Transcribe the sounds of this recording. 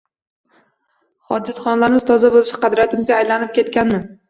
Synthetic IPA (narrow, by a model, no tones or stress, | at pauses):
hɒd̪ɪd̪χɒnlaɾɪmɪzt̪ʰɒzabolɪʃɪ̥qʰɑd̪ɾijat̪ɪmzɡʲaːjlanɪp̚kʲʰe̞t̪kʲanːɪ